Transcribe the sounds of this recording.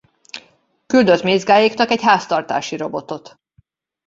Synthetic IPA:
kyld̪øzmeːzɡaːjiknɒkɛcɦaːst̪ɒrt̪aːʃiɾo̞bo̞t̪o̞t̪

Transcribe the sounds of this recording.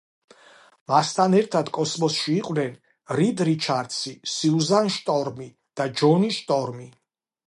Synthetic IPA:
mast̪ʰanɛɾt̪ʰad̪kʼɔsmɔsʃiːqʼwnɛn | ɾid̪ɾit͡ʃʰaɾt̪sʰisiuzanʃt̪ʼɔɾmi | d̪̥ad͡ʒɔniʃt̪ʼɔɾmi

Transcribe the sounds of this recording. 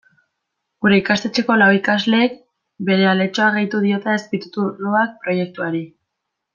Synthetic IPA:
ɡuɾe̞ikast̪e̞t͡ʃe̞ko̞lawikazle̞ːk̚ | be̞ɾe̞ale̞t͡ʃo̞aɣejt̪uðio̞t̪eespit̪u̥t̪uloak̚pɾo̞je̞k̚t̪uaɾi

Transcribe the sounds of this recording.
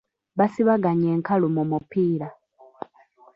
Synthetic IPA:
βasiβaɡaɲe̞ːŋkalumumupiːɾa

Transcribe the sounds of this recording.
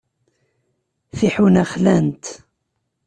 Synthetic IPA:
θiħunæχlænt̪

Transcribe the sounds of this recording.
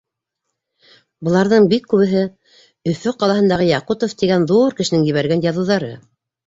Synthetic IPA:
bɤ̆lˠɑɾðɤɴbikːʉβɘ̆ɦɘ | ɵ̆fɵqɑlˠɑɦɤ̆nd̪ɑʁɤjɑqut̪oft̪iɡænðuɾkɘ̆ʃɘ̆nɘŋjɘ̆βæɾɡænjɑðŭwðɑɾɤ

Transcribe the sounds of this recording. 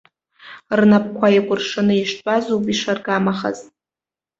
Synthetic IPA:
rnap̚ʰʼkʷʰajakʷʼʊrʂanɨiʃtʷʼazowpʼiʂarɡamaχa̰zʼ

